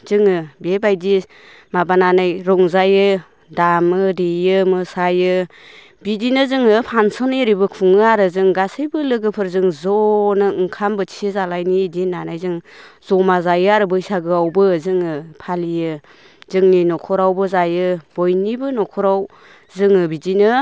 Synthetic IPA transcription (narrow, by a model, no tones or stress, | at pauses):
zɯŋɯbebajdi | mabananajɾɔŋzajɯ | damɯdijɯmɯsajɯ | bidinɯzɯŋɯpʰansɔnijɾibɯkʰuŋɯaɾɯzɯŋɡasɯjbɯlɯɡɯpʰɯɾzɯŋzɔnɯɯŋkʰambɯtʰiɯzalajnidinanajzɯŋ | z̥ɔmazajɯaɾɯbɯjsaɡɯawbɯzɯŋɯpʰalijɯ | zɯŋninɔkʰɔɾawbɯzajɯb̥ɔjnibɯnɔkʰɔɾaw | zɯŋɯbidinɯ